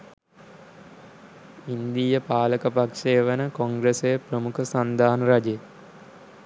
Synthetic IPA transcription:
ind̪ijəpaːləkəpakʂeːʋənəkoŋɡɾesejəprəmukʰəsand̪aːnɾad͡ʒe

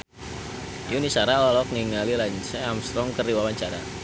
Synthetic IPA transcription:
junisaɾalalɔk̚niŋalilaɲsɛamst̪ɾɔŋkəriwawaɲt͡ʃaɾa

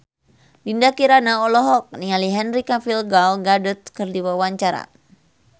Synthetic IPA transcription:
dindakiɾanaɔlɔɦɔk̚nialiɦɛnrikafilɡalɡadut̪̚kərdiwawaɲt͡ʃaɾa̰

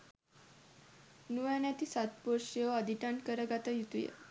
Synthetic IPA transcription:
nujanjat̪iːsat̪poɾʂjəəd̪ʱiʈaɳkəɾəɡat̪ajut̪ujḛ

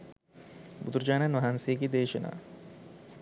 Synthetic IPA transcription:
bud̪uɾd͡ʒaːnanʋɐɦansejəɡed̪eːʃɐna̰ː

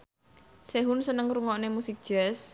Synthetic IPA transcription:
seɦunsənəŋruŋɔnemusik̚d̥ʒ̥ɛs

